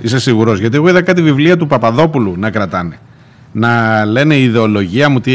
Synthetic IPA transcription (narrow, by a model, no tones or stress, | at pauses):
ise̞siɣuɾo̞zʝɐt̪ieɣo̞iðɐkɐt̪ivivliɐt̪upɐpɐðo̞pulunɐkɾɐt̪ɐne̞ | nɐle̞ne̞iiðe̞o̞lo̞ʝiɐmut̪i